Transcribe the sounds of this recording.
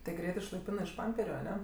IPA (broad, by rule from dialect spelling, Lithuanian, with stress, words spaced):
tʲɪ ˈɡrʲɛɪt ɪʃlˠɐɪˈpʲɪnɜ ɪʃ ˈpɐmʲpʲɛrʲʊ ɐˈnʲɛ